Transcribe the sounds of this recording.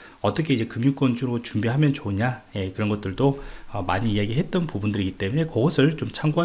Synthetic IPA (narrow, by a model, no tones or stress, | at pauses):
ʌt͈ʌkʰe̞id͡ʑe̞kɯmjuk͈wʌnd͡ʑuɾot͡ɕumbiɦamjʌnt͡ɕoɲaje̞kɯɾʌnɡʌt͈ɯɭdoʌmaɲiːjaɡiɦe̞t̚t͈ʌnpubundɯɾiɡit͈e̞mune̞kʌɡʌsʰɯɭt͡ɕomt͡ɕʰaŋɡoa